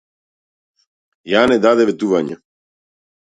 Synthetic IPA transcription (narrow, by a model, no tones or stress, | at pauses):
janɛd̪ad̪ɛvɛt̪uvaɲa̰